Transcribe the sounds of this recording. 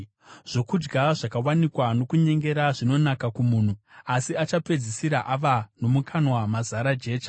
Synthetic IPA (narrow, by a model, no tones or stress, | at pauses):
ʐ̥o̞kud͡ʒɡaʐakawanikwano̞kuɲe̞ŋɡe̞ɾaʐino̞nakakumuːn̤uasiat͡ʃape̞d͡zisiɾaʔaʋano̞mukʰanwamazaɾad͡ʒe̞ːt͡ʃa